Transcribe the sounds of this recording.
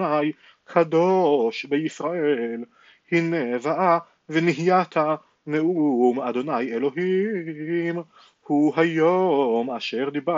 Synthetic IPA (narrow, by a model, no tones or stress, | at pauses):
aj | kʰad̪oʃbeisʁaʔel | hinevaʔa | veniɦijat̪ha | neumad̪o̞najelo̞ɦi | m | huɦajomaʃeʁd̪iba